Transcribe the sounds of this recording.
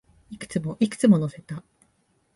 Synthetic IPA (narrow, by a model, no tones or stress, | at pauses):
ikɯ̟̥t͡sɨmo̞ʔikɯ̟̥t͡sɨmo̞no̞se̞t̪a